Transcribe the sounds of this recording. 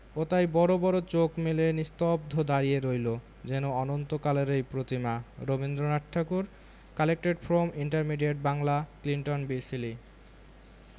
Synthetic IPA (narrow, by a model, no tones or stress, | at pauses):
ot̪ajbɔɾobɔɾot͡ɕokmelenist̪ob̚d̪ʱod̪aɾijeɾojlo | d͡ʑɛnoɔnont̪okaleɾejpɾot̪imaɾobind̪ɾonaʈʈʰːakuɾ | kalek̚ʈeɖfɾomiɳʈaɾmiɖieʈ̚baŋlakliɳʈonbisili